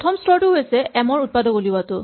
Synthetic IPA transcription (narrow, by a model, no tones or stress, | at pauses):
tʰɔmstʰɔɹtʊɦojsɛɛmɔɹut̚padɔkolibwatʊ